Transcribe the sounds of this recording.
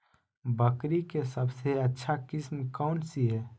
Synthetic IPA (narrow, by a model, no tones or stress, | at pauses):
bəkɾikesəbseətːʃʰakismkaʊɳʈsiɦe